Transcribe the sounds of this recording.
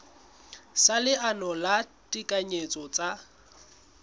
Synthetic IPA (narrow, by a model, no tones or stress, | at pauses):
salɪʔanɔlatʼikʼaɲet͡sʼɔt͡sʼa